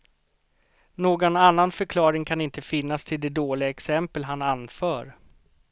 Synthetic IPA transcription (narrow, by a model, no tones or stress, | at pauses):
noːɡɔnanːanfœɾkʰlɑːɾɪŋkʰanɪnt̪əfɪnːast̪ʰɪld̪ɛd̪oːlɪɡaɛksɛmpəlɦananfœːɾ